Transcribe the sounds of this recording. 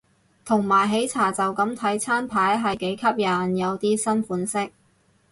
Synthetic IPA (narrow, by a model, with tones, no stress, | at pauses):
t̪ʰʊ˨˩ŋmaː˨˩jɦe˨˥jt͡sʰaː˨˩t͡sɐ˨wkɐ˨˥mt̪ʰɐ˨˥jt͡sʰaː˥npʰaː˨˥jɦɐ˨jke˨˥jkʰɐ˥p̚jɐ˨˩njɐ˨˧wt̪iː˥sɐ˥nfuː˨˥nsɪ˥k̚